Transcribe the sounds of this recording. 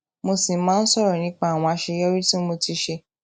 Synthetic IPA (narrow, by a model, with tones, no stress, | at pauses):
mo˧si˨˦mãː˦n̩˦sɔ˦˨ɾɔ˨nĩ˨˦k͡pa˦a˨w̃ɔ̃˧a˧ʃe˧jɔ˦ɾi˦tĩ˦mo˧ti˧ʃe˧